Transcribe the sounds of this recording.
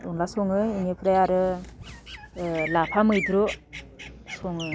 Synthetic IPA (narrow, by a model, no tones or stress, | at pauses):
ɔnlasɔŋɯiŋepʰɾajaɾɯ | lapʰamɯjdɾo | sɔŋɯ